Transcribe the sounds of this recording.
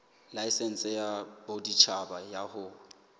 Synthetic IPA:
laisɛn̩sɪjabodit͡ʃʰabajahʊ

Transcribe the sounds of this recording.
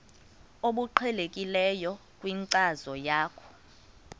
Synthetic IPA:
oɓuǃʰɛlekʼilɛjɔkʼwiŋǀazɔjaːkʰɔ̥

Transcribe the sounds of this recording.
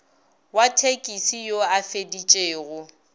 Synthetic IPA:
watʰekʼisijoafedit͡ʃʼeːɣʊ

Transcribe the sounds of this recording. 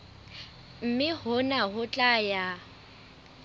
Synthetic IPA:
m̩mɪhʊnaɦʊt͡ɬʼaja

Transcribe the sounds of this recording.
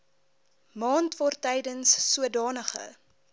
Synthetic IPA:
mɑːntvɔrtɛjdənsːuədɑːnəχə̰

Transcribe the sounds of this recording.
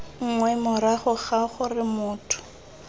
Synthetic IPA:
ŋ̩ŋwɛmʊɾaχʊχaχʊrɪmʊːtʰʊ̥

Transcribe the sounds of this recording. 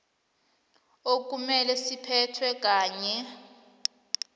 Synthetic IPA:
ok̬umɛlɛsipʰɛtʰwɛk̬ʼaːɲɛ

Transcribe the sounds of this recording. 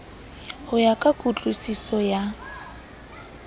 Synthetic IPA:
hʊjakʼakʼut͡ɬʼusisɔja

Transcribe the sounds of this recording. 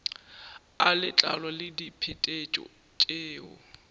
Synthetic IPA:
alɪt͡ɬʼa̰lwalɪdipʰɪtʼet͡ʃʼɔ̰ | t͡ʃʼeːʊ̰

